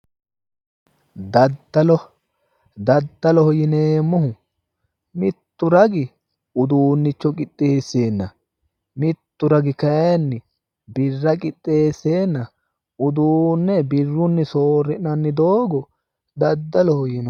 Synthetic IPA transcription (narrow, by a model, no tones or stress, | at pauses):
d̪ɐd̪ɐlɔ | d̪ɐd̪ːɐlɔhɔjɪneːmːʊhʊ | mɪt̪ːʊɾɐɡɪ | ʊd̪uːnːɪt͡ʃːɔkʼɪt̪ʼːe̞ːsːe̞ːnːɐ̰ | mɪt̪ːʊɾɐɡɪkɐjnːɪ | bɪrːɐkʼɪt̪ʼːe̞ːsːe̞ːnːɐ | ʊd̪uːnːɛbɪrːʊnːɪsoːrːɪʔnɐnːɪd̪o̞ːɡɔ | d̪ɐd̪ːɐlɔhɔjɪn